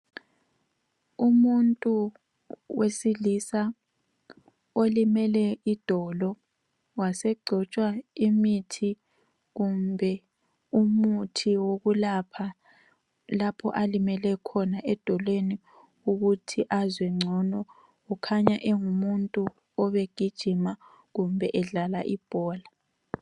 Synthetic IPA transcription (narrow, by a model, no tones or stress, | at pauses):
umuntʼu | wesilisa | olimɛlɛid̥ʱɔlɔ | wasɛɡ͡ǀʱɔt͡ʃʼwaimitʰi | ɣumbʱɛ | umutʰiwoɣulapʰa | lapʰɔ̰ʔalimɛlɛkʰɔnaʔɛd̥ʱɔlweni | uɣutʰiʔazwɛŋ͡ǀʱɔnɔ | ɔkʰaɲaʔɛŋumuntʼu | ɔβeɡ̥ʱid̥ʒ̥ʱima | ɣumbʱɛʔɛɮalaʔib̥ʱɔːla